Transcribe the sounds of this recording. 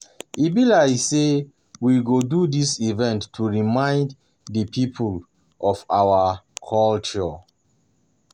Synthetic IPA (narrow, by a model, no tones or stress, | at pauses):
ʔibilajse | wiɡodudisivɛ̃ntʰːuɹimãɪ̃nd | dəpʰipʰul | ʔɔfa̰wakʰɔlt͡ʃɔ